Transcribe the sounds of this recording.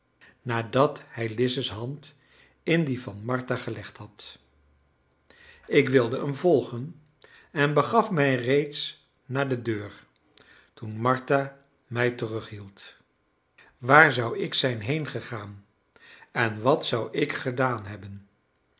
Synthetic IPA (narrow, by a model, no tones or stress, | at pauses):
naːdɑthɛjlɪsəsɦɑnt | ɪndivɑnmɑɹtaχəlɛχthɑt | ɪkʋɪlˠdəəmvɔlˠχən | ɛnbəχɑfmɛjrejts | naːɹdədøːɹ | tunmɑɹta | mɛjtərɵχɦilˠt | ʋaːɹzʌwɪksɛjnɦejnχəχaːn | ɛnʋɑtsʌwɪkχədaːnɦɛbən